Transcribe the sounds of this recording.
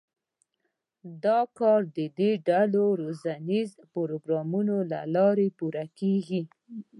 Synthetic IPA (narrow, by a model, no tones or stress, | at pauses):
d̪ɑkɑɾd̪əd̪eɖaloɾozaniz | poɾoɡɾɑmunola̰lɑɾepuɾakeɡi